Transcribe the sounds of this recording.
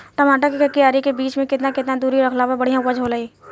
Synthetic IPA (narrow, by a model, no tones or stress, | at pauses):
ʈɐmaːʈakikʰəkːijaːɾikebiːt͡ʃmẽkɪt̪nakɪt̪nad̪uːɾiɾɐkʰlaːbabɐɽ̤ijãwəd͡ʒɦolɐiː